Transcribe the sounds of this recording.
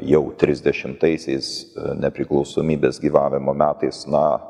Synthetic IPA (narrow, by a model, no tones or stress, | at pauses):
jɛʊt̪ʲɾʲɪzʲd̪ʲɛʃʲɪmt̪ɐɪsʲɛɪsnʲɛpʲɾʲɪklˠɒʊsoːmʲiːbʲeːsɡʲiːʋɑːʋʲɪmoːmʲæːt̪ɐɪsnɐ